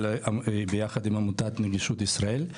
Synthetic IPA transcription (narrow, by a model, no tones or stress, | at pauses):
lbejaχad̪imamutat̪neɡiʃut̪isʁael